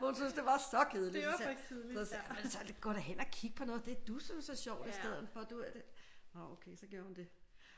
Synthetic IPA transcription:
hunsyn̰sd̥e̝ʋɑ̈sɒ̽kʰeð̞ˠli̥ | sɒsmensɒ̥ɡ̥ɒ̰ːɾ̥æhen̰ɒkʰiɡ̥̚pʰɒ̽nɔ̽ːð̩ˠd̥e̝æɐd̥usynsɒɕɒʊ̰d̥isd̥eð̞̰ˠn̩fɒd̥uæd̥eɒokʰeɪsɒ̽ɡ̥jo̝ɐhund̥e̝

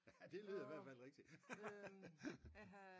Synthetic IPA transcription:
æd̥e̝lyːðˠɐiʋæɐ̰dfæl̰ʁeɡ̥d̥i̥

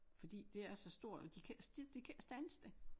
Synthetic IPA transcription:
fɒ̽d̥ḭːd̥e̝æsɒ̽sd̥o̝ɐ̰d̥ɒ̽d̥ikʰæsd̥id̥ekʰæsd̥ænəsd̥e̝

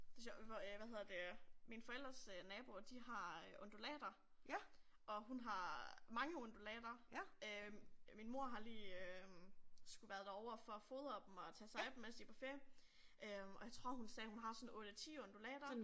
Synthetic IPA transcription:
d̥esɔʋæhe̝ð̰ˠɐd̥e̝minfɒ̽el̰d̥ʁɐsønɛːb̥o̝d̥iɦɑ̈øʔo̽nd̥ulɛ̰ːd̥ɐ | ʔɒ̽ɦunɦɑ̈mɑ̈ŋəond̥ulɛ̰ːd̥ɐøminmo̝ɐ̰ɦɑ̈liːø | sɡ̥uʋæɐðˠd̥æɒʊ̰ɐfɒ̽fo̝ːðˠɒ̽b̥m̩ɒ̽t͡sʰɛsɑ̈ɪb̥m̩esd̥ipʰɒfeɐ | ʔøɒjäɪt͡sʰʁo̝ɐ̰ɦunsɛːhunɦɑ̈sɔ̽nɔ̽ːɾ̥ət͡sʰḭːɔnd̥ulɛ̰ːd̥ɐ

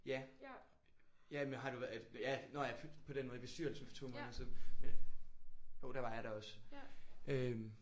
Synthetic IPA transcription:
jæ | jæmenɦɑ̈ɾ̥uʋæjænojɑpʰɒ̽ɾ̥enmɔ̽ðˠb̥e̝sd̥yɐ̰l̩sn̩fɒ̥t͡sʰo̝̰mɐnɐsɔmen | jo̝ʊd̥ɑ̈ʋɑ̈jɑ̈ɾ̥ɑɒ̽s | ʔøm

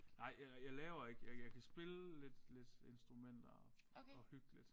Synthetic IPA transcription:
nɑ̈ɪ̰jajɑ̈ɪlɛːʊɐe̝ɡ̥əjɑjɑ̈ɪkʰæsb̥e̝ləle̝d̥le̝d̥e̝nsd̥ʁumen̰d̥ɐ | ɒ̽hyɡ̥lid̥

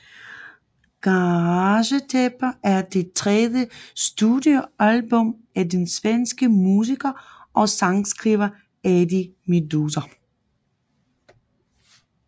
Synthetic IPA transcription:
ɡ̥ɑʁɑɕət͡sʰeb̥ɐæɐd̥e̝t͡sʰʁɛðjəsd̥udjoælb̥ɔ̽m | ædensʋensɡ̥əmuːs̬iɡ̥ɐʔɒ̽sɑ̈ŋsɡ̥ʁiʋɐ | ædimedusɐ

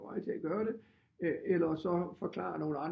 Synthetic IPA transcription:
ɑ̈ɪ̰t͡sʰe̝æɡ̥ɶːɐɾ̥e̝ | elɐsɒ̽fɒ̽kʰlɑ̰̈no̝ːləɑ̈n

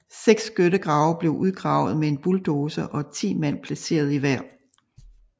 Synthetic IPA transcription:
seɡ̥sɡ̥øɾəɡ̥ʁɑ̈ʊɐb̥le̝ʊʔuð̞ˠɡ̥ʁɑ̈ʊ̰ð̞̩ˠmee̝nb̥uld̥oːsəʔɒ̽t͡sʰḭːmæn̰pʰlæse̝̰ːɐð̞̩ˠiʋæɐ̰

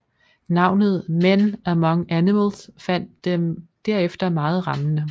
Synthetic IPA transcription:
nɑ̈ʊ̰nð̞̩ˠmen̰æmɑŋəʔænimelsfæn̰d̥emd̥æɐ̰efd̥ɐmɑ̈ːð̞̩ˠʁɑ̈mənə

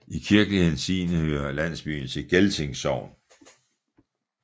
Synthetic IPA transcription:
ikʰiɐɡ̥əlihe̝n̩sḭːnəhøːɐlæn̰sb̥y̰ːnt͡sʰe̝ɡ̥elt͡sʰe̝ŋsɒʊn

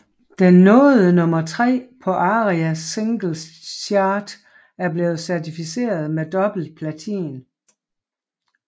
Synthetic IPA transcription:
d̥enːɔːðˠənɔ̽mɐt͡sʰʁɛ̰ːpʰɒ̽ʔɑ̈ːʁiæse̝ŋɡ̥l̩sɑːd̥ | æɐb̥le̝ːð̞̩ˠsæɐt͡sʰifise̝̰ːɐð̞ˠmed̥ɒ̽b̥l̩d̥̚pʰlæt͡sʰḭːn

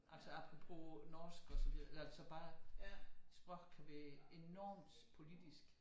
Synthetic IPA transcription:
ʔælsɒɑb̥ʰʁo̝pʰo̝̰nɒːsɡ̥ɒsɒʋiðˠelælsɒ̽b̥ɑ̈ː | sb̥ʁɔɡ̥kʰæʋæɐe̝nɒ̰ːmd̥pʰo̝lid̥isɡ̥

